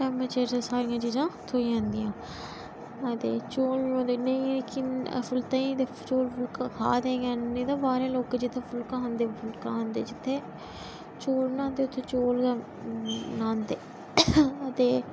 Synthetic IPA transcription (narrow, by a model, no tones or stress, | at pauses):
ʈɛːmɾət͡ʃeːɾd͡ʒãːsaːɾijãːt͡ʃiːd͡ʒãːt̪ʰoːid͡ʒãːnd̪ijãː | ət̪eːt͡ʃoːljõːd̪eːnəĩːleːkɪn̰fʰʊlt̪ãĩːd̪eːt͡ʃoːlpʰʊlkakʰa̰ːd̪ẽːɡãːnñːt̪ãːbaːɾːloːkːd͡ʒɪt̪ʰːeːpʰʊlkãːɦə̃nd̪eːpʰʊlkãːɦənd̪ḛːd͡ʒɪt̪ʰːeː | t͡ʃoːlnãːnd̪eːʊt̪ʰːeːt͡ʃoːl | nãːnd̪eː | ət̪eː